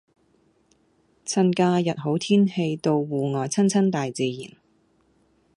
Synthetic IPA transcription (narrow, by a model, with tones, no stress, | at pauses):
t͡sʰɐ˧nkaː˧jɐ˨t̚ɦo˨˥wt̪ʰiː˥nhe˧jt̪o˧wwuː˨ŋɔː˨˩jt͡sʰɐ˥nt͡sʰɐ˥nt̪aː˨jt͡siː˨˧jḭː˨˩n